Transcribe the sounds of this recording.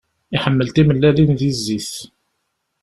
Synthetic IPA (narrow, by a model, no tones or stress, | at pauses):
iħəmːəlt̪iməlːælinθizːiθ